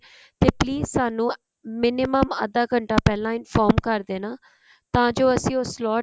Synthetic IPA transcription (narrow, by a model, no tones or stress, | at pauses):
t̪eːpliːzsaːnũː | mɪnɪməmə̰d̪aːkəɳʈaːpɛːlãːɪnfʰɔːɾmkəɾd̪eːnaː | t̪ãːd͡ʒoːəsĩːoːslɔː